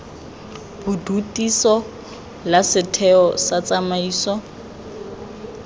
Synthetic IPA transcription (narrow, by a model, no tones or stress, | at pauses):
b̥udutʼisɔ | lasɪtʰɛɔsat͡sʼamaiːsɔ